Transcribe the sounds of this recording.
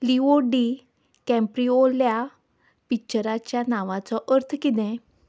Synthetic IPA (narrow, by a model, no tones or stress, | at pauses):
lioɖi | kɛ̃mpɾiolja | pit͡ɕəɾat͡ɕjanaʋãt͡sɔʔəɾt̪ʰkid̪ẽ